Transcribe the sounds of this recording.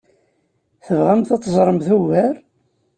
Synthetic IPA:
θəvʁamθɑt̪ˤːzˤɾˤəmθuvæɾ

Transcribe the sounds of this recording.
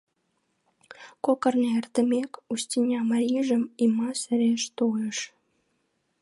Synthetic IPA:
kokɤ̆rneert̪ɘ̆mʲekusʲtʲinʲɑmɑɾʲiʒə̆mimɑsɘ̆ɾʲeʃt̪oeʃ

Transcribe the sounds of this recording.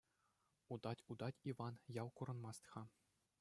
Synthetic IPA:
ud̪ɑtʲud̪ɑtʲiʋɑnjɑwkuɾɤ̆nmɑst̪χɑ

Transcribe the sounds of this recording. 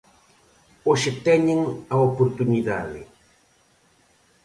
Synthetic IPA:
oʃet̪ɛɲeŋɐopoɾt̪uniða̰ðɪ̰

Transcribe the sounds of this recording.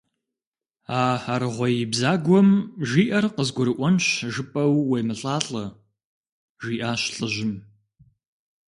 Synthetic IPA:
aːaɾɨʁʷɔjɪbzaːɡʷɔmʒiːʔɐrqəzɡʷʊɾɨʔʷɔnɕʒɨpʼɐwːejmɨɬʼaːɬʼɐ | ʒiːʔaːɕɬʼɨʑɪm

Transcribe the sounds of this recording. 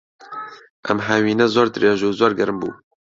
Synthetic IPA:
ʔɛmɦɛwiːnɛzoːɾd̪ɨɾeːʒuːzoːɾɡɛɾɨmbṵː

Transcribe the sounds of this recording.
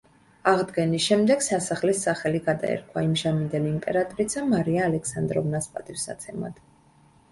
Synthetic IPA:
aʁd̪ɡɛnisʃɛmd̪ɛɡsasaχlisːaχɛliɡad̪a̰ɛ̰ɾkʰwaimʒamind̪ɛliːmpʼɛɾat̪ʼɔɾisamaɾiaːlɛksand̪ɾɔvnaspʼat̪ʼifsa̰t̪sʰɛma̰d̪̥

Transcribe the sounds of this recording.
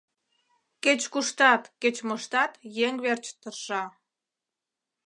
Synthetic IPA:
ket͡ɕkuʃt̪ɑt̪ket͡ɕmoʃt̪ɑt̪jeŋβert͡ɕt̪ərʃɑ

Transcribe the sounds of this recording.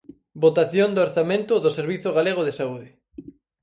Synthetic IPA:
bot̪aθjond̪ooɾθamẽnt̪ʊðʊseɾβiθoɣaleɣ̞oðesauðɪ

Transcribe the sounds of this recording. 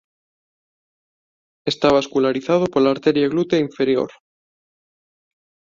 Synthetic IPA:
e̞st̪aβaskulaɾiθað̞opoɾlaɾt̪e̞ɾjaɣlut̪eiɱfe̞ɾjo̰ɾ

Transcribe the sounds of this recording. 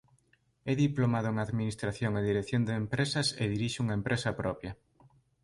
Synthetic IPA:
ɛðiplomaðʊeŋaðminist̪ɾaθjoŋeðiɾeθjond̪eːmpɾesɐseðiɾiʃɪuŋɐempɾʔesɐpɾɔpjɐ

